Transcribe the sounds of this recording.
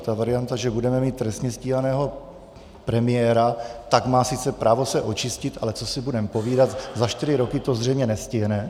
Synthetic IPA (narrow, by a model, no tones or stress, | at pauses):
t̪avaɾɪjant̪aʒɛbudɛmɛmiːt̪ːɾɛst̪ɲɛsciːɦanɛːɦo̞ | pɾɛmɪjɛːɾat̪aɡmaːsɪt͡sɛpɾʔaːvo̞sɛʔo̞t͡ʃɪscɪt̪ʔalɛt͡so̞sɪbudɛmpo̞viːdat̪zaʃt̪ɪɾɪɾo̞kɪt̪ozr̝ɛjmɲɛnɛscɪɦnɛ